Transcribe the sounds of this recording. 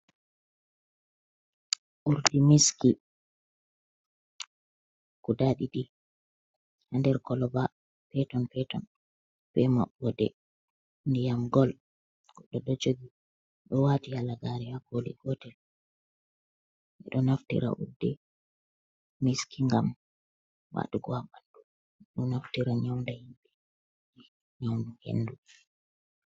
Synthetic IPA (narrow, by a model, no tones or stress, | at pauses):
ʔuɾdɛmiski | kudaɗiɗi | handɛɾkɔlɔba | pɛtɔnpɛtɔn | b̥ɛma̰ɓːɔdɛ̰ | ndɛjamɡɔl | kɔɗɔɗɔd͡ʒoɡi | ɗɔwaːtihalaɡaɾɛhakolḭɡɔtɛl | ʔɛ̰ɗɔnaftḭɾa̰ʔṵɾdɛ | miskiŋɡam | wa̰ɗuɡɔabanɗu | ɛɗɔnaftiɾaɲawndahimbɛ | di | ɲawnuhḛnːdu